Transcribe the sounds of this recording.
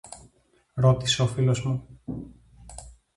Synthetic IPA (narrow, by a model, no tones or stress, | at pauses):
ɾo̞t̪i̥seofilo̞zmu